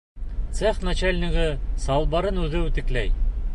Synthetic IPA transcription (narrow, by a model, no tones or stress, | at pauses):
t̪seχnat͡ɕælʲnʲiʁɘsɑlˠbɑɾɤnʉðɘt̪ɘ̆klæ̰j